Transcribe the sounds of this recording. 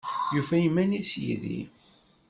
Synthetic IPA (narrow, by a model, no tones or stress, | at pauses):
jufæjəmːænisjḭðḭ